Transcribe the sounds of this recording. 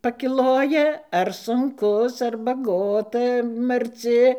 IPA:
pɐkʲɪˈlˠoːjɛ ɐr sʊŋˈkʊs ɐr bɐˈɡoːtɐ mɐrʲˈt͡sʲɪ

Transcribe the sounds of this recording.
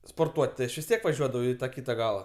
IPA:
spoːrˈtuɔtʲ tʲɪ ˈɐʃ ʋʲɪs ˈtʲiɛk ʋɐˈʒʲuɔdɐʋɐʊ ɪ tɐˈkʲiːtɐ ˈɡɑːlˠɐ

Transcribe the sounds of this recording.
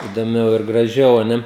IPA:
ɪdoːˈmʲɛʊ ɪr ɡrɐˈʒʲɛʊ oː ˈnʲɛ

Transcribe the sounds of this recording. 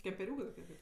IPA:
kʲɛmʲpʲɛˈrʲuːkɜ toːˈkʲiɛ ˈɡɐlʲ

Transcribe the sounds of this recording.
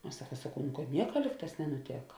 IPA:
ɐʃ ˈsɑːkɐ sɐˈkɐʊ nʊ kɐt ˈnʲiɛkɐ ˈlʲiːk ˌtɑːs nʲɛnʊˈtʲeːkɐ

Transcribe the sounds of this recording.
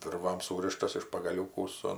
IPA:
ˈʋʲɪrʋɐm ˈsuːrʲɪʃtɐs ɪʃ pɐɡɐˈlʲuːkuː ˈsʊ

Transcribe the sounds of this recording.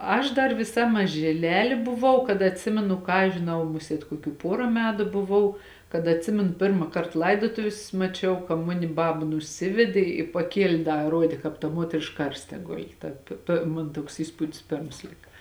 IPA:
ˈɐʃ ˈdɐr ʋʲɪˈsɐ mɐʒʲɪˈlʲæːlʲeː bʊˈʋɐʊ kɐt ɐtʲˈsʲɪmʲɛnʊ ˈkɑː ɐʃ ʒʲɪˈnɐʊ ˈmʊsʲiɛt koːˈkʲuː ˈpoːrɐ ˈmʲæːtʊ bʊˈʋɐʊ kɐt ɐtʲˈsʲɪmʲɛnʊ ˈpʲɪrmɐ ˈkɐrt ˈlˠɐɪdoːtoːʋʲɪs mɐˈt͡ʃʲɛʊ kɐ ˈmʊnʲɪ ˈbɑːbɐ nʊˈsʲɪʋʲɛdʲeː ɪ pɐˈkʲiɛlʲeː ˈdɐ ˈruɔdʲeː kɑːp tɐ ˈmuɔtʲrʲɪʃk ˈkɐrʲsʲtʲɛ ˈɡʊlʲɪ ˈtɐ pʲeː pʲeː ˈmoːn ˈtuɔks ˈiːspʊdʲɪs ˈpʲeːrms ˈlʲɪkɐ

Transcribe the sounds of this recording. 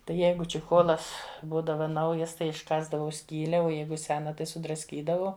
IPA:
tɐɪ ˈjɛɪɡʊ t͡ʃʲɪˈxoːlˠɐs ˈbuːdɐʋɐ ˈnɐʊjɛs ˈtɐɪ ɪʃˈkɑːzdɐʋɐʊ ˈsʲkʲiːlʲɛ oː ˈjɛɪɡʊ ˈsʲæːnɐ tɐɪ sʊdrɐsʲˈkʲiːdɐʋɐʊ

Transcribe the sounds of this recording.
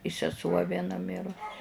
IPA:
ɪ sʲɛˈsuɔ ʋʲiɛˈnɐ ˈmʲɪrʊs

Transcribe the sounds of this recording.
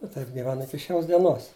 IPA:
ɪ ˈtɐɪp ɡʲɪˈʋʲæːnʊ ˈɪkʲɪ ˈʃʲoːs dʲiɛˈnoːs

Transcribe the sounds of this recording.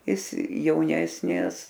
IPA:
ˈjɪs jɛʊˈnʲæːsʲnʲɪs

